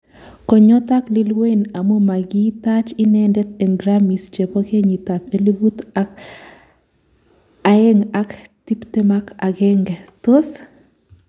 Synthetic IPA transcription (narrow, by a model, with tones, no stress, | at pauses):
kɔ˨ɲɔ˦t̪a˦kli˦lwe˦ina˨mo˦ma˨ɡit̪a˦t͡ʃi˦nɛndɛ˦t̪e˨ŋɡɾami˨st͡ʃe˨poke˦ɲi˨t̪a˨peli˦bu˦t̪ | ae˦ŋakti˦pte˦ma˦ka˨ɡɛ˦ŋɡɛ˨t̪o˦s